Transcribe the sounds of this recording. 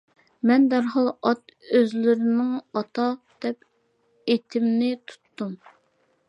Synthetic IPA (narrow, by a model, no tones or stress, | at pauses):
mɛnd̪æɾɦɑlˠɑt̪øzlɪɾɪnɪŋɑt̪ʰɑd̪̥ɛp̚ | et̪ʰɪmnɪt̪ʰu̥t̪ːum